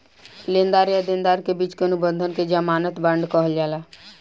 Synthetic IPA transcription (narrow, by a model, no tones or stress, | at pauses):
lend̪aɾjad̪end̪aɾkebit͡ʃkenubə̃nd̪ʱənked͡ʒamanət̪bəɳɖkəɦəld͡ʒala